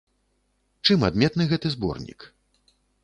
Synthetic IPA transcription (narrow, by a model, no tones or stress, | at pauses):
t͡ʂɨmad̪mʲɛt̪nɨɣɛt̪ɨzbɔ̰rnʲḭk